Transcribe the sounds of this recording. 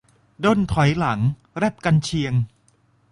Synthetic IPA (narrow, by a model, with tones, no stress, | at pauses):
do˥˩˨nt̪ʰɔ˩˦jla˩˦ŋ | ɾɛ˥˩p̚ka˧nt͡ɕʰi˧əŋ